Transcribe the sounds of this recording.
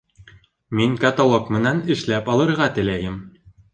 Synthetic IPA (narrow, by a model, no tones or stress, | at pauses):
miŋkɐt̪olˠokmɘ̆nænɘ̆ʃlæpɑlˠɤ̆ɾʁɑt̪ɘ̆læjɘm